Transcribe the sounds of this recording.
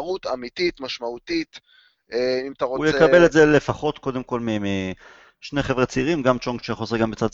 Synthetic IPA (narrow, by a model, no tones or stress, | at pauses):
ʁut̪amit̪it̪maʃmaut̪it̪ | eimat̪aʁoujekabeletzele̞faχo̞t̪ko̞d̪emko̞lmimi | ʃne̞χevʁet͡siiːʁimɡamt͡ʃoŋkʃeχozeɡambet͡sad